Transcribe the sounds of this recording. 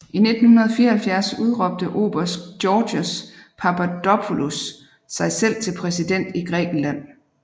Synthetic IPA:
ʔine̝d̥n̩hunɐð̩ˠfiːɐhælfjæɐsuð̞ˠʁɒ̽b̥̚d̥əʔo̝̰ːb̥ɐsdjɒːd̥əspʰæpʰæd̥ɒpʰulusː | ɑ̈ɪsel̰t͡sʰe̝lpʰʁɛsid̥en̰d̥iɡ̥ʁɛ̰ːɡ̥n̩læn̰

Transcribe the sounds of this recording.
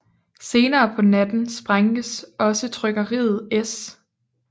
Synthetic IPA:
se̝ːnɐːpʰɒ̽næd̥n̩sb̥ʁaŋ̥əsɒ̽sət͡sʰʁœɡ̥ɐʁḭːð̞̩ˠes

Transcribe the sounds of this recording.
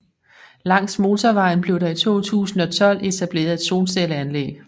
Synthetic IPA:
lɑ̈ŋ̰sd̥mo̝ːt͡sʰɒʋɑ̈ɪ̰n̩b̥le̝ʊɾɑ̈it͡sʰo̝̰ːt͡sʰṵːsn̩ɒ̽t͡sʰɒ̽l̰e̝t͡sʰæb̥le̝̰ːɐð̞̩ˠe̝d̥so̝ːnseləænlḛːɡ̥

